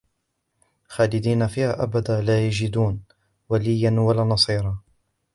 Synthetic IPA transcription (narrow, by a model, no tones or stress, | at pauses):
xaːlɪd̪iːnafiːhaːʔabad̪aːlaːjad͡ʒɪd̪uːn | walɪjːanwalaːnɑsˤiːɾˤɑː